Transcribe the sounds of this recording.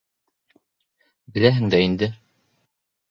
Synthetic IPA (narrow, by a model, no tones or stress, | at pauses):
bɘ̆læɦɘŋd̪æind̪ɘ